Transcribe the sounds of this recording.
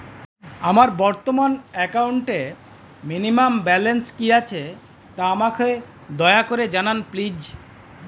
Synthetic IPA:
amaɾbɔɾt̪omanɛkawuɳʈe | minimambɛlenskiat͡ɕʰe | t̪aamakʰee | d̪ɔeakoɾed͡ʑananplid͡ʑ

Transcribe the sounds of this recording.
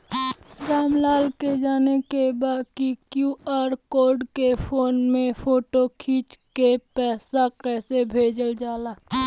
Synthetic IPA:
ɾaːmlaːlked͡ʒaːnekebaːkikjuaːɾkoːɾɖkefʰoːnmẽpʰoːʈokʰiːt͡ʃkepɛːsakɛːsebʱeːd͡ʒəld͡ʒaːlaː

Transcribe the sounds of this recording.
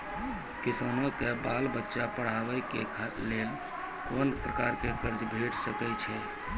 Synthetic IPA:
kisanokebalbətːʃapəɽ̤aʋɛkekʰalel | konpɾəkaɾkekəɾd͡ʒbʱeʈsəkɛt͡ʃʰɛ

